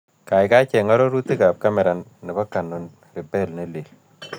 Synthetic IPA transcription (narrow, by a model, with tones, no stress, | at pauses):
ka˨jka˦t͡ʃɛ˨ŋa˦ɾo˦ɾu˦ti˦ka˨p̚ka˦mɛ˨ɾa˨nːɪ˨ba˦ka˨nu˨n | ri˨pe˦lni˦li˨l